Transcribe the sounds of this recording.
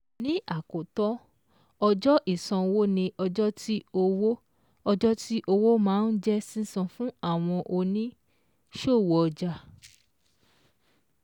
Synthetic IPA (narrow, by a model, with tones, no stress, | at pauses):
nĩ˨˦ʔa˦˨ko˨tɔ˦ | ɔ˧d͡ʒɔ˦ʔi˦˨sã˧wo˦nĩ˧ʔɔ˧d͡ʒɔ˦tʰi˦o˧wo˦ | ɔ˧d͡ʒɔ˦ti˦ʔo˧wo˦mãː˨˦n̩˦d͡ʒɛ˦sĩ˦sã˧fũ˦a˦˨w̃ɔ̃˧ʔo˧nĩ˦ | ʃo˦˨wɔ˨ɔ˧d͡ʒa˧